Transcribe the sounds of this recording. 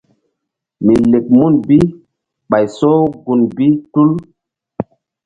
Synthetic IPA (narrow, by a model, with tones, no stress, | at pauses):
mi˨le˨k̚mu˦˨nbi˦ | ɓa˨jso˦ɡu˨nbi˦tu˦l